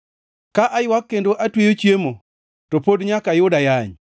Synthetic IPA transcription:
kaʔajwakːendoʔatwejot͡ʃjemo | topodɲakajʊdajaɲ

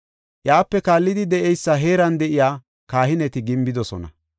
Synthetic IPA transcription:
ʔjaːpːɛkaːlːɪd̪ɪd̪ɛʔɛjsːɐɦe̞ːɾɐnd̪ɛʔɪjaː | kaːhɪnɛt̪ɪɡɪmbɪd̪ɔsɔ̰nɐ̰

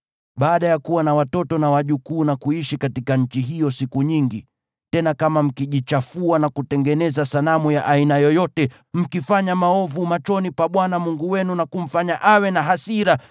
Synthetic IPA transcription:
ɓaːɗajakuwanawatɔtɔnawaʄukuːnakuiʃikatikaɲ̩t͡ʃiɦijɔsikuɲiŋɡi | tɛnakamam̩kiʄit͡ʃafuanakutɛŋɡɛnɛzasalamujaʔainajɔjɔtɛ | m̩kifaɲamaɔvumat͡ʃɔnipaɓwanamuŋɡuwɛnunakum̩faɲaʔawɛnaɦasiɾa

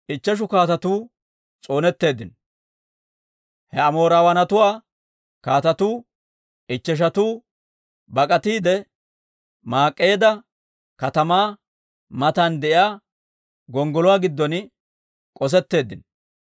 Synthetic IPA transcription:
ʔɪt͡ʃːɛʃ̬ʊkaːt̪ɐt̪uː | t͡sʼo̞ːnɛt̪ːe̞ːd̪ɪn | hɛɐmo̞ːɾaːwɐnɐt̪ʊwaː | kaːt̪ɐt̪uː | ʔɪt͡ʃːɛʃ̬ɐt̪uː | bɐkʼɐt̪iːd̪ɛ | maːkʼːe̞ːd̪ɐ | kɐt̪ɐmaː | mɐt̪ɐnd̪ɛʔɪaː | ɡɔŋɡɔlʊwaːɡɪd̪ːɔn | kʼɔs̬ɛt̪ːe̞ːd̪ːɪn

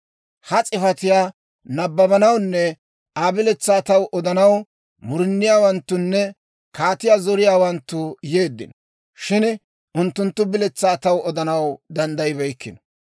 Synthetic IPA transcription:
hɐt͡sʼɪfɐt̪ɪjaː | nɐbːɐbɐnɐwnːɛ | aːbɪlɛt͡sːaːt̪ɐwʔɔd̪ɐnɐw | mʊɾɪnːɪjaːwɐnt̪ːʊnːɛ | kaːt̪ɪjaːzɔɾɪjaːwɐnt̪ːʊje̞ːd̪ːɪ̰n | ʃɪn | ʔʊnt̪ːʊnt̪ːʊbɪlɛt͡sːaːt̪ɐwɔd̪ɐnɐwd̪ɐnd̪ɐjɪbɛjkːɪnɔ

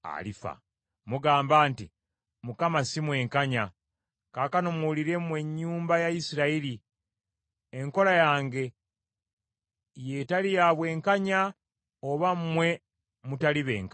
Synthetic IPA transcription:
a̰lifa̰ | muɡaːmbaːnti | mukamasimwe̞ːŋkaɲa | kaːkano̞mwuliɾe̞mwe̞ɲːuːmbajaisiɾaiɾi | eŋko̞lajaːŋɡe̞ | je̞talijaβwe̞ːŋkaɲa | oβammwe̞ | mutaliβe̞̰ːŋk

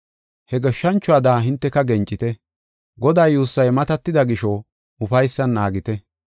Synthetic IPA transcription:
hɛɡɛʃːɐnt͡ʃːʊɐːd̪aːɦɪnt̪ːɛkɐɡɛnt͡ʃʼːɪt̪ɛ | ɡɔd̪aːjːuːsːɐjmɐt̪ɐt̪ːɪd̪ɐɡɪʃɔ | ʊfɐjsːɐnːaːɡɪt̪ɛ

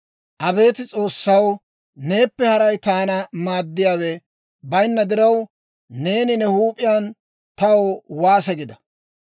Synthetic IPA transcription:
ʔɐbe̞ːt̪ɪt͡sʼo̞ːsːɐw | ne̞ːpːɛhɐɾɐjt̪aːnɐmaːd̪ːɪjaːwɛ | bɐjnːɐd̪ɪɾɐw | ne̞ːnɪnɛhuːpʼɪjaːn | t̪ɐwowaːsɛɡɪd̪ɐ

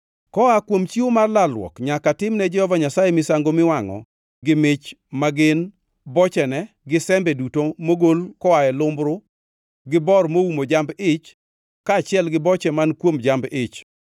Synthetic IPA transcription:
kɔakwomt͡ʃiomarlalwɔ̰kɲakatɪmnɛd͡ʒɛhɔvaɲasajɛmɪsaŋɡomɪwaŋɔ̰ | ɡɪmɪt͡ʃ | maɡɪn | bɔt͡ʃɛnɛ | ɡɪsɛmbɛdutomoɡolkɔwaɛlʊmbɾʊ | ɡɪbɔrmoumod͡ʒambɪt͡ʃ | kaːt͡ʃɪɛlɡɪbɔt͡ʃɛmankwomd͡ʒambɪt͡ʃ

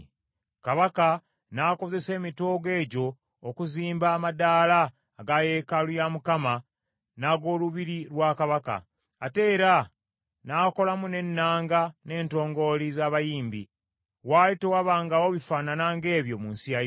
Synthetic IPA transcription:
kaβaka | nako̞ze̞se̞ːmito̞ːɡe̞ːɟo̞ː | kuziːmbaːmadaːlaː | ɡaje̞kalujamukama | naɡo̞ːluβiɾiɾwakaβaka̰ː | te̞ːɾa | naːko̞lamune̞nːaːŋɡane̞ːnto̞ːŋɡo̞lizaːβajiːmbḭ | waːlitewaβaːŋɡawo̞βifaːnanaːŋɡe̞ːβjo̞muːnsija

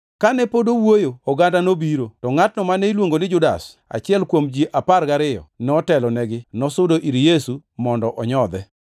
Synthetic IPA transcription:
kanɛpodowojoːɡandanobiɾotɔŋat̚nɔmanɛilwoŋɡonɪd͡ʒʊdas | a̰t͡ʃɪɛlkwomd͡ʒiʔaparɡaɾɪjɔ̰nɔtɛlɔnɛɡɪnɔsʊdoʔiɾjesumɔndɔʔɔɲɔd̪ɛ

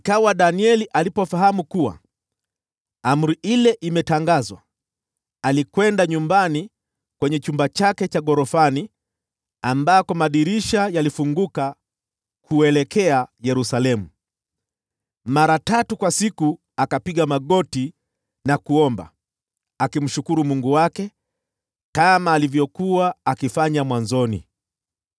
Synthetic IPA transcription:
ikawaɗaniɛliʔalipɔfaɦamukuwa̰ | am̩ɾiʔilɛʔimɛtaŋɡazwa̰ | alikwɛndaɲumbani | kwɛɲɛt͡ʃumbat͡ʃakɛt͡ʃaɡɔɾɔfani | ambakɔmaɗiɾiʃajalifuŋɡuka | kʰuɛlɛkʰɛajɛɾusalɛmu | maɾatatukwasiku | akapiɠamaɠɔti | nakuɔmba̰ | akim̩ʃukuɾumuŋɡuwakɛ | kamaːlivjɔkuwaːkifaɲamwanzɔnḭ

